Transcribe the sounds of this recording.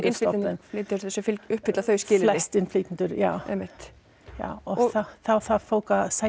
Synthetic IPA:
ɾsɔnfliʏɾɛsɔfɪlʏhpɪt̪laθœɥscɪːllɛɪst̪ɪnfliːt̪ɪnt̪ʏɾjaːwɛ̰mːɪht̪ | ja̰ːwɔθaθawθaðfoːwkasa

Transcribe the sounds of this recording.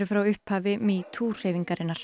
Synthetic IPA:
ɾɪfɾawʏhphaːvɪmit̪ʰuːr̥eːjviŋkaɾɪnːaɾ̥

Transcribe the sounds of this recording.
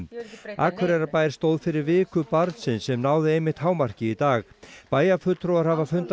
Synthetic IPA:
aːkʰɛɾɛɾapaːjɾ̥st̪owðfɪɾɪɾvɪːkʏpaɾt̪sɪnsɛmnaːwðɪejmːɪht̪haːwmar̥cɪit̪aːɣpaːjafʏt̪t̪ʰɾowaɾhavafʏnt̪

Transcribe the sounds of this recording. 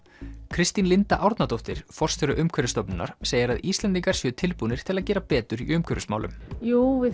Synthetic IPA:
kʰɾɪst̪inlɪnt̪aʔawɾt̪nat̪owht̪ɪɾ̥fɔr̥st̪fɛɾʏʔʏmkʰvɛɾʏst̪ɔpnɪnːa̰ɾ̥seːjɪɾaðiːst̪lɛnt̪iŋkaɾ̥sjœːt̪ʰɪlpuːnɪɾ̥t̪ʰɪlaðcɛːɾapɛːt̪ʏɾḭʏmkʰœɾʏsma̰wlʏ̰mjuːɪ

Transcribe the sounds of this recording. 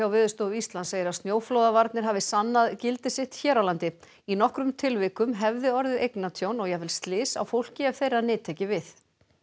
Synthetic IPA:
awvɪːðʏst̪oːɣʏist̪lanseːjɪɾast̪njoːwflowðavaɾt̪nɪɾ̥ɦaːvɪsanːaðcɪlt̪ɪsɪht̪çɛːɾawlant̪ɪ | inɔhkɾʏmt̪ʰɪlvɪːkʏmɦɛvðɪɔɾðɪʔejknat̪ʰjownɔɣjɛvɪlst̪lɪːsa̰wfowl̥cɪɛv̥θejɾaðnɪːt̪ʰecɪvɪθ

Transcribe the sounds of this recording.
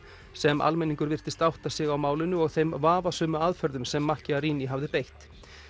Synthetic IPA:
sɛmʔa̰lmɛniŋkʏɾvɪr̥t̪ɪst̪awht̪asɪɣawmaːwlɪnʏɔɣθejmvaːvasœːmʏaðfœɾðʏmsɛmːahcɪariːniɦavðɪpejht̪

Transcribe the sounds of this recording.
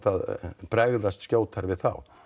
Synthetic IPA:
t̪aðpɾɛɣðast̪skcjoːwt̪ʰaɾvɪðθa̰w

